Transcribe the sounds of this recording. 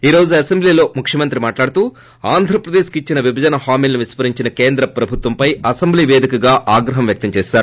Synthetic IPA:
iːɾo̞ːd͡ʒuɐsembliːlo̞ːmukʰʂjɐmɐnt̪ɾimaːʈlaːɽut̪uː | aːnd̪ʱɾɐpɾɐd̪eːʃkit͡ʃːinɐʋibʱɐd͡ʒɐnɐhaːmilniʋispɐɾiɲt͡ʃinɐke̞ːnd̪ɾɐpɾɐbʱut̪ʋɐmpɐjɐsembliːʋeːd̪ikɐɡaːʔaːɡɾɐɦɐmʋjɐk̚t̪ɐmt͡ʃɛːʃaːɾuu

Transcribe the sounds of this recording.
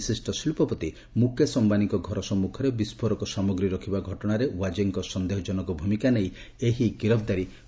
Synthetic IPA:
sisʈɔsilpɔpɔt̪i | mukesɔmbanikɔɡʱɔɾɔsɔmːukʰɔɾebispʰɔɾɔkɔsɔmɔɡɾiɾɔkʰibaɡʱɔʈɔɽ̃aɾewad͡ʒeŋkɔsɔnd̪eɦɔd͡ʒɔnɔkɔbʱumikanej | eɦikiɾɔbd̪aɾi

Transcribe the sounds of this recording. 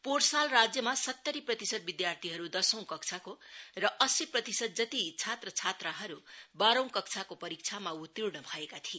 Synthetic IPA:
porsalrad͡zjʌmasʌt̪ːʌɾiprʌt̪isʌd̪̚bid̪jart̪ʰiɦʌɾud̪ʌsʌ̃w̃kʌk̚t͡sʰakorʌʔʌsiprʌt̪isʌd̪̚d͡zʌt̪it͡sʰat̪rʌt͡sʰat̪raɦʌɾubaɾʌ̃w̃kʌkt͡sʰakopʌɾik̚t͡sʰamaut̪ːiɽnʌbʱʌekat̪ʰie

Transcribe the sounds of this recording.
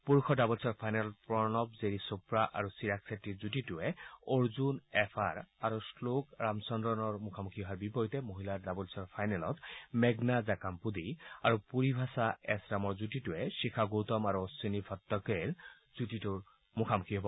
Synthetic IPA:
puɹkʰɔdabɔlsɔɹpʰajnɛlɔpɹɔnɔp̚zeɹisupɹaʔa̰ɹusiɹaksetːizutitʊɛoɹzunɛpʰaɹaɹuslokɹamsɔndɹɔnɔɹmukʰamukʰiɦɔɦaɹbipɔɹitɛmoɦiladabɔlsɔɹpʰajnɛlɔ̰tmɛɡnazakampud̪iaɹupuɹibʱasaɛsɹamɔɹzutitʊɛʃikʰaɡot̪ɔmaɹuɔsinibʰʱɔt̪ːɔkɛɹ | z̥utitʊɹ | mukʰamukʰiɦɔbɔ

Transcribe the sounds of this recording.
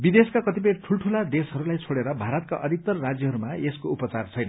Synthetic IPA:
bid̪eskakʌt̪ip̬ʌjʈʰulʈʰulad̪esɦʌɾulajt͡sʰoɽeɾʌbʱaɾʌt̪̚ka̰ʔʌd̪ik̚t̪ʌrːad͡zjʌɦʌɾumaeskoupʌt͡sart͡sʰʌjnʌ

